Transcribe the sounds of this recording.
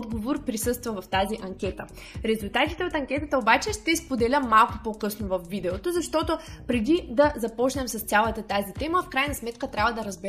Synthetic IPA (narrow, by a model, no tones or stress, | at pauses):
d̪ɡovoɾpɾisɤst̪vɐvɐft̪aziʔɐŋkʲɛt̪ə | ɾɛzulˠt̪at̪it̪ɛot̪ɐŋkʲɛt̪ət̪əobat͡ʃɛʃt̪ɛspod̪ɛlʲəmːalˠkʊpokɤsnovɐfvid̪ɛot̪ozɐʃt̪ɔt̪opɾɛd̪id̪ɐzɐpɔt͡ʃnɛmsɐst̪sʲalˠət̪ət̪azit̪ɛməfkɾajnəsmɛt̪kət̪ɾʲabvəd̪ɐɾəzbɛ